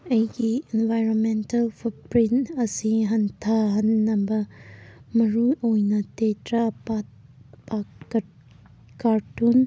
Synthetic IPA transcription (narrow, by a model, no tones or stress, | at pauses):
ɐjɡienvajɾonmentɐlpʰupɾinɐsiɦɐntʰaɦɐnːɐbɐ | mɐɾuʔojnɐtetɾapapa | kaɾtun